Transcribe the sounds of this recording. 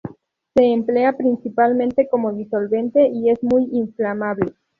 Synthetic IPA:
se̞ːmple̞apɾinsipalmẽnt̪e̞ko̞mo̞ðiso̞lβẽ̞nt̪e̞ʔie̞zmujiɱflamaβle

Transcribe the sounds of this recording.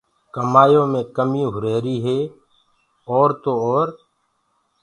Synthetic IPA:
kəmaːjõːmẽːkəmĩːɦʊɾeːɾiːɦeː | ɔːɾt̪oːɔːɾ

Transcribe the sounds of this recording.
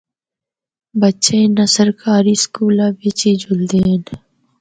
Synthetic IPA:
bətːʃẽːnəsəɾkaːɾiːskuːlãːʋɪt͡ʃiːd͡ʒʊld̪eːɦən

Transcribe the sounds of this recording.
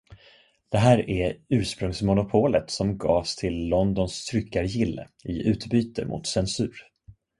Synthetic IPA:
d̪̥ɛɦæːɾæɾʉ̟ːʂpɾɵŋsmʊnʊpʰoːlət̪sɔmɡɑːst̪ʰɪlːɔnd̪ɔnst̪ʰɾʏkːaɾjɪlːə̰ | ɪʉ̟ːt̪byːt̪əmʔʊ̰t̪sɛnsʉ̟ːɾ

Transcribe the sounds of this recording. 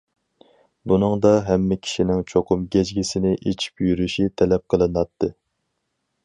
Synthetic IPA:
bunɨŋd̪ɑɦɛmːɪkʲʰi̥ʃinɪŋt͡ʃʰoqʰʊmɡʲɛd͡ʒɡʲisɪnɪʔet͡ʃʰi̥pjyɾyʃit̪ʰɛlɛp̚qʰəlˠɨnɑt̪ʰːɨ

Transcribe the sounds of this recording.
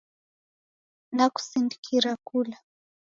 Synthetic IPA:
nakʊ̥sɪnd̪i̥kʰiɾakʊla

